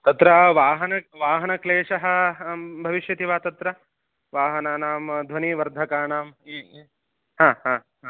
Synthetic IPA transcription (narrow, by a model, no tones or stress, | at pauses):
t̪ɐt̪ɾɐʋaːɦɐnɐʋaːɦɐnɐkleːʂɐɦɐ̆bʱɐʋiʃjɐt̪iʋaːt̪ɐt̪ɾɐ | ʋaːɦɐnaːnaːmd̪ʱʋɐniːʋɐɾd̪ʱɐkaːɳaːm | ɦãːɦãː | ɦa